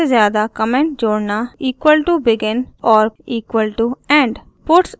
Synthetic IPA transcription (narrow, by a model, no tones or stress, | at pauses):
eːzjaːd̪aːkəmɛ̃ɳʈ̚d͡ʒoːɽnaːiːkwəlʈubɪɡɪnɔːɾiːkwəlʈuɛ̃ːɳɖ | pʊʈs